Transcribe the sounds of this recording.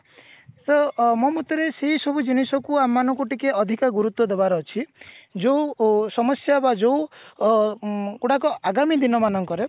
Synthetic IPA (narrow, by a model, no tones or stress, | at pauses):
sɔmɔmut̪ɔɾeseɦisɔbud͡ʒinisɔkuamːanɔŋkɔʈikeɔd̪ʱikaɡuɾut̪wɔd̪ebaɾɔːt͡ʃʰid͡ʒousɔmɔsjabad͡ʒow | kuɽakɔʔaɡamid̪inɔmanɔŋkɔɾe